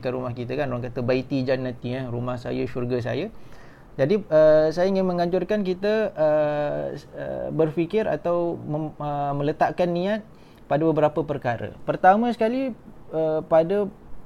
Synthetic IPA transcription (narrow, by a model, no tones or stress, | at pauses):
kanɾumahkit̪əkanoɾaŋkat̪əbait̪id͡ʒanːãt̪iarumahsa̰jaʃurɡas̬a̰ja | d͡ʒadiəsajaiŋɪnmə̃ŋaɲd͡ʒʊrkank̬it̪əə | ə̰bərfikɪɾa̰t̪awməəmə̃lət̪aʔkanːĩat̪̚ | padabəbəɾapəpərkaɾə̰pərt̪amə̃sə̥kaliəpadə